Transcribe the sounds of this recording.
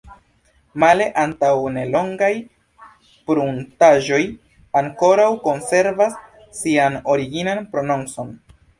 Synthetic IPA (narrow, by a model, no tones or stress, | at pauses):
male̞ʔantawne̞lo̞ŋɡaj | pɾuntaʒo̞j | aŋko̞ɾawko̞nse̞ɾvasː | iano̞ɾiɡinanpɾo̞noŋso̞n